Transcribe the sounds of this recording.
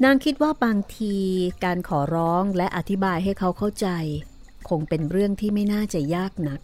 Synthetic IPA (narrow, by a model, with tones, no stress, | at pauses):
naː˧ŋkʰi˦˥t̪̚waː˥˩baː˧ŋt̪ʰiː˧kaː˧nkʰɔː˩˦ɾɔː˦˥ŋlɛ˦˥ʔa˧t̪ʰi˦˥baː˧jɦa˥˩jkʰa˦˥wkʰa˥˩wt͡ɕa˧j | kʰo˧ŋpe˧nɾɯ˥˩əŋt̪ʰiː˥˩ma˥˩jnaː˥˩t͡ɕa˨˩jaː˥˩k̚na˦˥k̚